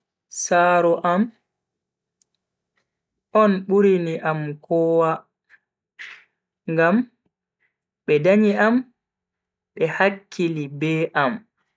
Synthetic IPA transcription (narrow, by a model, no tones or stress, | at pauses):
saːɾɔʔam | ɔnɓuɾiniʔamkɔːwa | ŋɡam | ɓɛdaɲiam | ɓɛhakʰːilibɛːʔam